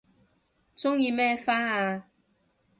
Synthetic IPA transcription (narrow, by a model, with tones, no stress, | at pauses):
t͡sʊ˦ŋjiː˧mɛː˦faː˦˥aː˧